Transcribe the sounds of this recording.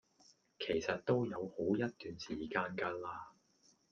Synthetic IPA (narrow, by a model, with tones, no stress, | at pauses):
kʰe˨˩jsɐ˨t̚t̪o˥wjɐ˨˧who˨˥wjɐ˥t̚t̪yː˨nsiː˨˩kaː˧nkɐ˧laː˧